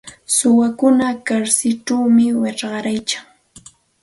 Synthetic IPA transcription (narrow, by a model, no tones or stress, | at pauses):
sʊwakʊnakaɾsɪʈ͡ʂawmɪwɪʈ͡ʂɢɑɾajt͡ʃaŋ